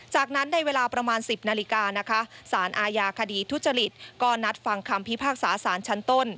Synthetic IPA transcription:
t͡ɕaː˨˩k̚na˦˥nːa˧jweː˧laː˧pɾa˧maː˧nsi˨˩p̚naː˧li˦˧kaː˧na˦˥kʰa˦˥saː˩˦nʔaː˧jaː˧kʰa˧diː˧t̪ʰu˦˥t̪̚t͡ɕːa˧li˨˩t̪̚kɔː˥˩na˦˥t̪̚fa˧ŋkʰa˧mpʰi˦˥pʰaː˥˩k̚saː˩˦saː˩˦nt͡ɕʰa˦˥nt̪o˥˩n

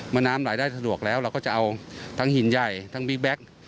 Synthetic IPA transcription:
maː˧naː˦˥mɾaː˩˦jdaː˥˩jsa˧du˨˩ək̚lɛː˦˥wɾɛ˧kɔː˥˩t͡ɕa˨˩ʔa˧wt̪ʰaː˦˥ŋhi˨˩˦nja˨˩jt̪ʰa˦˥ŋbi˦˥k̚bɛ˦˥k̚

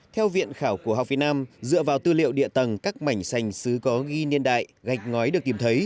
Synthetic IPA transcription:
t̪ʰɛ˧wvḭ˧˨ənxaː˧˩wku˧˩əɦk͡p̚vi˨˩t̚naː˧mzɨ̰˧˨əvaː˨˩wt̪ɨ˧lḭ˧˨əwɗḭ˧˨ət̪ə˨˩nkaː˦˥k̚ma˧˩jŋ̟sa˨˩jŋ̟sɨ˨˦kɔ˨˦ɣi˧ni˧ənɗa̰ː˧˨jɣa˨˩jk̟̚ŋɔ˨˦jɗɨ˨˩ət̪i˧˩mt̪ʰə˨˦j

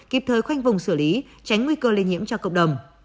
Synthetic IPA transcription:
ki˨˩p̚t̪ʰəː˨˩jxwa˧jŋ̟vʊ˨˩ŋ͡msɨ˧˩li˨˦ | t͡ɕa˨˦jŋ̟ŋwi˧kəː˧li˧nɲi˧˥əmt͡ɕɔ˧kə̰˧˨wŋ͡mɗə˨˩wŋ͡m

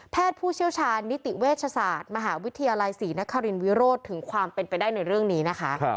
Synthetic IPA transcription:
pʰɛː˥˩t̪̚pʰuː˥˩t͡ɕʰi˥˩əwt͡ɕʰaː˧nːi˦˥t̪i˨˩weː˥˩t̪̚t͡ɕʰa˧saː˨˩t̪̚ma˧ɦaː˩˦wi˦˥t̪ʰːa˧jaː˧la˧jsiː˩˦na˦˥kʰːa˧ɾi˧nwi˦˥ɾoː˥˩t̪ʰɯ˨˩˦ŋkʰwaː˧mpe˧npa˧jdaː˥˩jna˧jɾɯ˥˩əŋniː˦˥na˦˥kʰa˦˥ʔ

